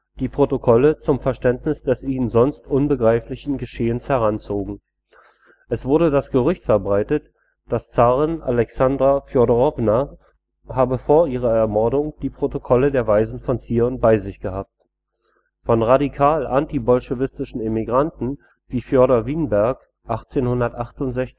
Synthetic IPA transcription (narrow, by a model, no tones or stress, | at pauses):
d̥iːpʁ̥otokʰɔlət͡sʊmfɛɐʃtɛntnɪsd̥ɛsiːənzɔnstʔʊnbəɡʁaɪflɪçn̩ɡəʃeːənshɛʁ̞ant͡soːɡŋ̩ | ʔɛsv̥ʊɐɾədasɡ̥əʁ̞ʏçtfɛɐbʁaɪtət | d̥ast͡saʁɪnʔa̰lɛksandʁafjɔɐdəʁɔvna | haːbəfoːɐʔiːʁ̞ɐɛɐmɔɐdʊŋd̥iːpʁ̥otokʰɔlədeːɐvaɪzn̩fɔnt͡siːʁənbaɪzɪçɡ̥əhaːp̚t | fɔnʁadikʰaːlʔantibɔlʃəvɪstɪʃn̩emiɡʁantn̩ | viːfjɔɐɾɐviːnbɛɐk | ʔaχt͡seːnhʊndɐtʔaχtʊntz̥ɛçt͡sɪ